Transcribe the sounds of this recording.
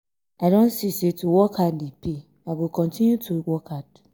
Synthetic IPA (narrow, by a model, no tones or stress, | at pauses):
adɔ̃nsisetʰuwɔkʰadlipʰi | aɡokʰɔ̃ntʰĩnjutʰowɔkʰad̥